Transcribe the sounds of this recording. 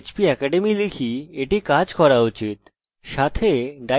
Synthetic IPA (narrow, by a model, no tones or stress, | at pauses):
t͡ɕpiɛkɛɖemilikʰieʈikad͡ʑkɔɾaut͡ɕit̪ | ʃat̪ʰeɖa